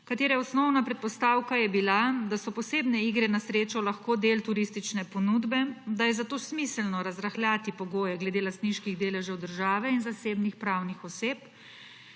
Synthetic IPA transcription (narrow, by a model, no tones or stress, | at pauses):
kat̪eːɾɛɔsnɔwnapɾɛt̪̚pɔst̪aːwkajɛbilad̪asɔpɔseːbnɛiːɡɾɛnasɾeːt͡ʃɔwlaxkoːd̪eːlt̪uɾist̪it͡ʃnɛpɔnud̪bɛd̪ajɛzat̪oːsmislnɔɾazɾaxljaːt̪ipɔɡoːjɛɡlɛd̪eːlast̪niʃkiɣd̪eːlɛʒɛwd̪əɾʒaːʋɛinzaseːbnixpɾaːwnixɔseːp